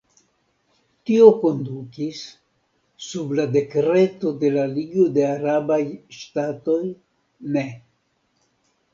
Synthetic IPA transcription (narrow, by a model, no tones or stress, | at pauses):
tio̞ko̞ndukisː | ublade̞kɾe̞to̞de̞laliɡo̞de̞aɾabajʃtato̞j | ne̞